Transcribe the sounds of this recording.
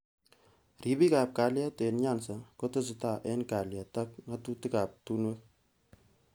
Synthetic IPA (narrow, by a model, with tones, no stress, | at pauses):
ri˨bi˦ka˨p̚ka˨lja˦te˨nɲa˦nsa˨ko˦te˦s̬ɪ˨ta˨ʔɛ˦nka˨lja˨tɐ˦kŋa˦tu˦ti˦ka˨p̚tu˦nwe˦